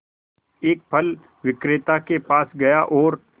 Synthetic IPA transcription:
eːk̚pʰɐl | ʋɪkɾɪt̪akepaːsɡɐjaʔɔːɾ

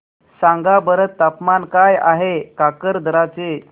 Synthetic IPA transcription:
sãŋɡabəɾət̪ːapmankaja̰ɦekakəɾd̪ʱəɾat͡se

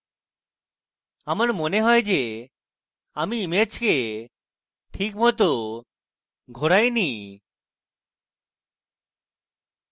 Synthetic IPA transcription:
amaɾmoneɦɔed͡ʑe | amiːmet͡ʃke | ʈʰikmɔt̪o | ɡʱoɾajni

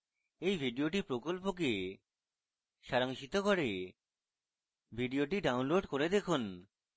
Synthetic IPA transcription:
ejbʱiɖioʈipɾokolpok̬e | ʃaɾaŋʃit̪okoɾe | bʱiɖioʈiɖawnloɖkoɾed̪ekʰun

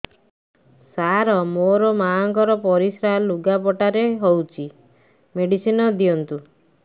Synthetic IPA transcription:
saɾɔmoɾɔmaɔŋkɔɾɔpɔɾisɾaluɡapɔʈaɾeɦowt͡ʃʰi | meɖisinɔd̪iɔnt̪u

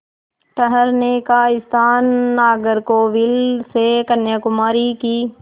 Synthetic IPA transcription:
ʈəɦəɾnekaːɪst̪ʰaːnːaːɡəɾkoːʋɪlsekənjakʊmaːɾikiː

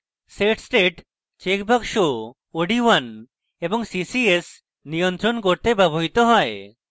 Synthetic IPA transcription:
seʈsʈeʈ | t͡ʃekbʱakʃo | oɖiwan | ebɔŋsisies | nijɔnt̪ɾɔnkoɾt̪ebɛboɦit̪ɔɦɔe

